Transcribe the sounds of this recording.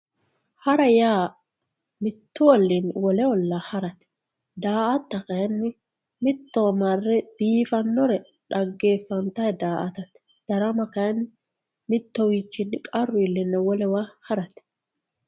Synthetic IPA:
hɐɾɐjaː | mɪt̪ːʊwɔlːinwɔlɛwɔlːahɐɾɐt̪ | d̪aːʔɐt̪ːɐkɐjɛnːɪ | mɪt̪ːomarːɛb̥iːfɐnːɔɾɛ | ᶑɐɡːeːfːɐnt̪ɐjd̪aːʔɐt̪ɐt̪ | d̪̥ɐɾɐmɐkɐjɐn | mɪt̪ːɔwiːt͡ʃːɪnkʼɐrːʊɪlːɪnːɐwɔlɛwahɐɾɐt̪

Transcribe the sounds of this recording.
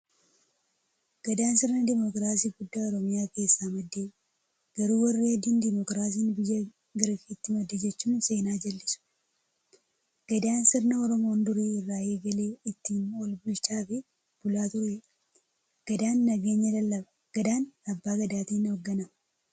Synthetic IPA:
ɡ̥ɐd̪aːnsɪɾnɐd̪ɪmɔkɾaːsiːɡʊd̪ːaːɔɾɔmɪjaːke̞ːsːaːmɐd̪ːeː | ɡ̥ɐɾuːwɐrːiːɐd̪iːnd̪ɪmɔkɾaːs̬iːnbɪjːɐ | ɡɐɾfiːt̪ːɪmɐd̪ːed͡ʒɛt͡ʃːuːnse̞ːnaːd͡ʒɐlːɪsʊ̥ | ɡ̥ɐd̪aːnsɪɾnɐɔɾɔmo̞ːnd̪ʊɾeːɪrːaːeːɡɐle̞ːɪt̪ːiːnwɔlbʊlt͡ʃaːfɪ | b̥ʊlaːt̪ʊɾɛ | ɡ̥ɐd̪aːnːɐɡe̞ːɲːɐd̪ɐlːɐbɐ̥ | ɡ̥ɐd̪aːnɐbːaːɡɐd̪aːt̪iːnɔɡːɐnɐɐ

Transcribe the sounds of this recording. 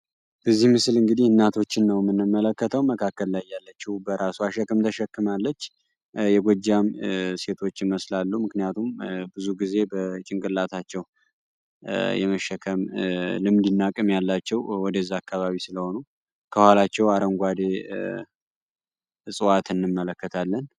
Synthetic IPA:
b̥əzːihmɨslɨŋɡɨd̪ihɨnːat̪ʰo̞t͡ʃːɪnːəwjmːɨnːɨmːələkːət̪ʰəwməkʰakːəllajːalːət͡ʃːihbəɾasuaʃɛkːəmt̪ʰəʃɛkːɨmalːət͡ʃː | jɛɡʷɔd͡ʒamse̞t̪ʰo̞t͡ʃːɪməslalːumɨknijat̪ʰumbɨzuɡize̞bət͡ʃʼɪŋkʼɨlːat̪ʰat͡ʃːɛw | jɛ̰məʃɛkʰəmlɨmd̪ɨnːakʼɨmjalːat͡ʃːɛwwɔd̪əzːakːaβaβisɨləho̞nu | kʰəhʷalat͡ʃːɛwaɾəŋɡʷad̪e | sʼɨwat̪ʰɨnːɨmːələkːət̪ʰalːən

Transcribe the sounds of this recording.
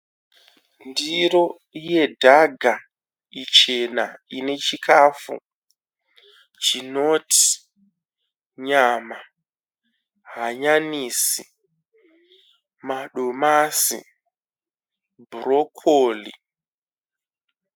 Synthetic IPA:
ndiɾo̞ | je̞dʱaɡʱa | it͡ʃenaine̞t͡ʃikʰafṵ | t͡ʃinoti̥ | ɲama | ɦaɲaniːsi | maɗomasḭ | bʱrokʰolḭ

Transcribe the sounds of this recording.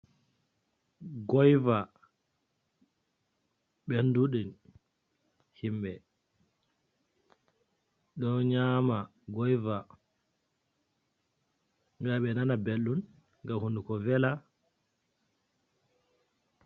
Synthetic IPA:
ɡɔjva | ɓenduɗin | himɓɛ | ɗɔnɲama | ɡɔjva | ŋɡaɓɛnanabelːun | ŋɡamhundukɔvɛla

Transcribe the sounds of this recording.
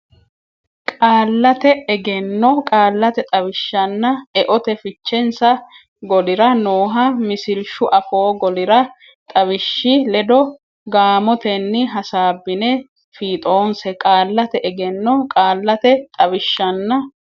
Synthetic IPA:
kʼaːlːɐt̪ɛɛɡɛnːɔkʼaːlːɐt̪ɛt̪ʼɐβɪʃːɐnːɐɛʔɔt̪ɛfɪt͡ʃːɛnsɐ | ɡɔlɪɾɐnoːɦɐmɪsɪlʃʊʔɐfoːɡɔlɪɾɐ | t̪ʼɐβɪʃːɪlɛd̪ɔ | ɡaːmɔt̪ɛnːɪɦɐsaːbːɪnɛ | fiːt̪ʼo̞ːnsɛkʼaːlːɐt̪ɛʔɛɡɛnːɔkʼaːlːɐt̪ɛt̪ʼɐbɪʃːɐnːɐ

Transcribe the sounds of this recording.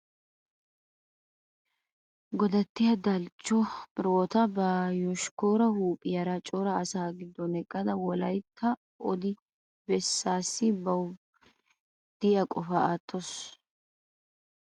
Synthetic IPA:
ɡɔd̪ɐt̪ːɪjɐd̪ɐlt͡ʃːɔbɪɾoːt̪ɐbɐjɔʃkoːɾɐhuːpʼɪjɐɾɐt͡ʃʼɔːɾɐːsaːɡɪd̪ːɔnɛkʼːɐd̪ɐwɔlɐjt̪ʰːɐ | ɔd̪ɪ | bɛsːaːsːɪbɐw | d̪̥ɪjɐkʼɔfɐʔaːt̪ʰːɔs

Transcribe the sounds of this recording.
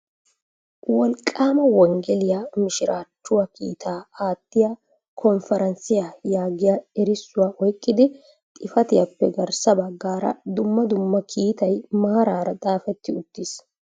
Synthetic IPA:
wɔlkʼaːmɐwɔŋɡɛlɪjaːmɪʃɪɾaːt͡ʃːʊwɐkḭːt̪ʰaːaːt̪ːɪja | kʰɔnfɛɾɐnsɪjajaːɡɪjaɛɾɪsːʊwaːʔɔjkʼːɪd̪ɪ | t̪ʼɪfɐt̪ɪjɐpːɛɡɐɾsɐbɐɡːaːɾɐ̰d̪ʊmːɐd̪ʊmːɐkʰiːt̪ɐjmaːɾaːɾɐt̪ʼaːfɛt̪ːɪʊt̪ːɪs

